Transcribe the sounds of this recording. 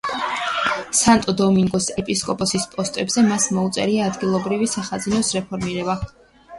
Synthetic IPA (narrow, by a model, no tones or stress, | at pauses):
sant̪ʼɔd̪ɔmiŋɡɔsɛpʼiskʼɔpʼɔsispʼɔst̪ʼɛbzɛmasmɔut̪sʼɛ̰ɾiaːd̪ɡilˠɔbɾivisaχazinɔsɾɛpʰɔɾmiɾɛba